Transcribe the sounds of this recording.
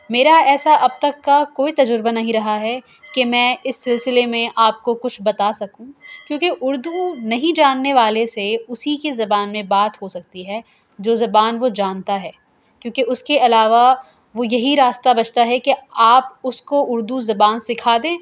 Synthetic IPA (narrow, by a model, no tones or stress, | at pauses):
meːɾaɛːsaʔɐb̚t̪ɐkːakoːit̪ɐd͡ʒʊɾbanɐɦĩɾɐɦaɦɛ | kemɛ̃ːɪsːɪlsɪlemẽʔaːp̚kokʊt͡ʃʰbɐt̪asɐkũkjõːkeʔʊɾd̪unɐɦĩd͡ʒaːnːeʋaːleseʊsikezɐbaːnmẽbaːt̪ɦosɐk̚t̪iɦɛ | d͡ʒoːzɐbaːnʋod͡ʒaːnt̪aɦɛː | kjõːkeʊskeʔɐlaːʋa | ʋojɐɦiɾaːst̪abɐt͡ʃt̪aɦɛkeaːpʊskoʔʊɾd̪uzɐbaːnsɪkʰaːd̪ẽː